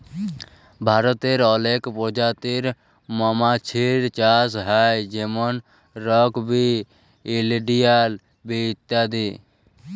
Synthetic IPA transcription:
bʱaːɾɔt̪eɾɔleːkpɔd͡ʒat̪eɾ | mɔmat͡ʃʰiɾt͡ʃaːsɦajd͡ʒemɔn | ɾɔkbʱiː | lɖijal | bit̪ːjad̪i

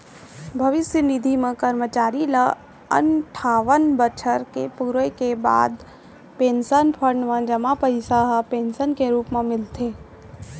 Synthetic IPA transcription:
bʱɐʋɪsjənɪd̪ʱimẽkəɾmət͡ʃaːɾilə | ə̰nʈʰaːʋənbət͡ʃʰəɾkepuːɾəjkeba̰ːd̪ | pẽːnsənpʰəɳɖmẽd͡ʒəmapəɾɪsaɦapẽːnsənkeɾuːpmẽmɪlt̪eː

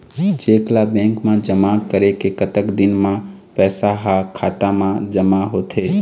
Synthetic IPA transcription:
t͡ʃeːklabɛ̃ːŋkmãd͡ʒəmakəɾekekət̪əkd̪ɪnmã | pɛːsaɦakʰaːt̪amãd͡ʒəmaɦoːt̪ɦe

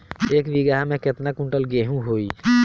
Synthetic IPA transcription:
ekbiɡaɦamẽket̪nakũɳʈəlɡeɦũɦoi

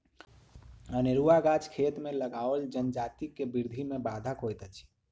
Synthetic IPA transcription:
əneɾuaɡat͡ʃkʰet̪meləɡaʋəld͡ʒənd͡ʒat̪ikːebiɾd̪ʱimebad̪ʱəkɦojt̪ət͡ʃʰ

